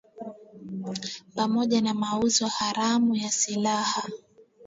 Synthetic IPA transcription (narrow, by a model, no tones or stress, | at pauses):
pamɔʄanamauzɔhaɾamujasilaha